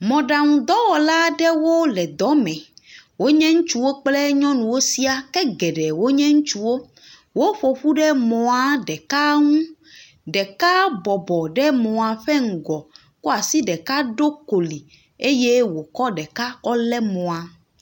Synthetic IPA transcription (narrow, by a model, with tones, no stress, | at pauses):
mɔ̃˨ɖa˨ŋũ˨d̪ɔ˦wɔ˨la˦ɖɛ˦wo˦lɛ˨d̪ɔ˨˦mɛ̃˨wo˦ɲɛ̃˦ŋũ˦t͡ʃu˦wo˦k͡plɛ˦ɲɔ̃˦nũ˨wo˦si˦a˨kɛ˦ɡɛ˨ɖɛ˨wo˦ɲɛ̃˦ŋũ˦t͡ʃu˦wo˦ | wo˦ɸo˨ɸu˦ɖɛ˦mɔ̃˨a˨ɖɛ˨ka˦ŋũ˦ | ɖɛ˨ka˦bɔ˨bɔ˨ɖɛ˦mɔ̃˨a˨ɸɛ˦ŋ̩˨ɡɔ˨ | ko˦a˨si˦ɖɛ˨ka˦ɖo˦ko˨li˨ | e˦je˦wo˨kɔ˦ɖɛ˨ka˦ɔ˦lɛ˦mɔ̃˨a˨